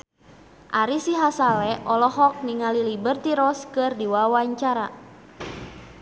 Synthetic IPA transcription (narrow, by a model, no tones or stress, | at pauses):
ʔaɾisiɦasalɛʔɔlɔɦɔk̚niŋalilibərt̪iɾɔskɨrdiwawaɲt͡ʃaɾa